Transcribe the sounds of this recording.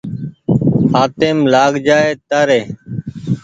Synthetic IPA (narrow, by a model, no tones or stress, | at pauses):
haːt̪eːmlaːɡd͡ʒaːeːt̪aːɾeː